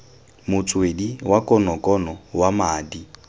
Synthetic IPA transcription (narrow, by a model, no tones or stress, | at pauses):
mʊt͡sʼwediwakʼɔnɔkʼɔnɔwamaːdi